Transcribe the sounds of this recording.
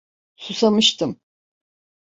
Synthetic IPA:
susamɯʃt̪ʰɯm

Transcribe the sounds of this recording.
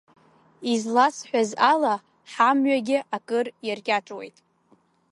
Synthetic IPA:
izlasħʷᶣazala | ħamɥaɡʲɪʔakʼɨrjarkʲʼaʈ͡ʂʼwe̞̰jtʼ

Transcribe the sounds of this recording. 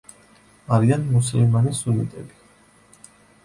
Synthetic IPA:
aɾianmuslmanisunit̪ʼɛbi̥

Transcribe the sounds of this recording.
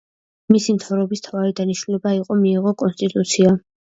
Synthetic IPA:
misimt̪ʰavɾɛbist̪ʰavaɾid̪aniʃnulɛbaiqʼɔmiːʁɔkʼɔnst̪ʼit̪ʼut̪sʰia

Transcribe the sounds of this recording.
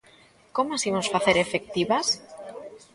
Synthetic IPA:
komasimosfaθeɾefek̚t̪iβas

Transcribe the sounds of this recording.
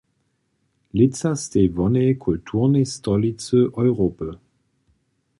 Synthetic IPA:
lɪt͡sastevɔnekʰɔltʰuʁnestɔlit͡səʔɔʏʁopə

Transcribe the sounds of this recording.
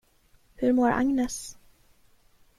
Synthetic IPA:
hɵɾmoːɾʔa̰ŋnɛs

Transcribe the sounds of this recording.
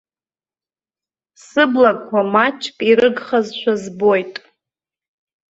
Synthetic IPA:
sɨblakʼkʷʰamat͡ʃʰʼkʼiɾɨɡχazʃʷᶣazbo̞jtʼ

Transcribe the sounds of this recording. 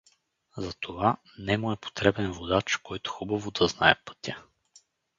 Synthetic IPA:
zɐt̪ʰova | nɛmoɛpo̥t̪ɾɛbɛnvod̪at͡ʃkɔjt̪ʊ̥xubɐvod̪ɐznaɛpɤ̥t̪ʰʲə

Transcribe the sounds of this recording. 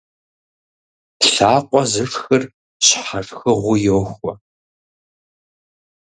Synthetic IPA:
ɬaːqʷʼɔzɨʂxɨr | ɕħarxɨʁʷʊjoːxʷɔ

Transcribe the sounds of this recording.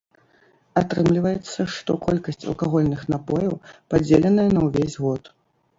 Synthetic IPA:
at̪ɾɨmlʲivɐjɛt̪sːɐʂt̪ɔkɔlʲkɐsʲt͡sʲɐ̰lˠkaɣɔlʲnɨxnapɔjɐwpad͡zʲelʲɛnɐjɐnɐwvʲezʲɣɔt̪

